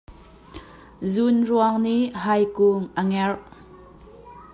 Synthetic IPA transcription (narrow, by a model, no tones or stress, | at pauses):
zunruəŋniʔɦɐjkuŋʔəŋɛrʔ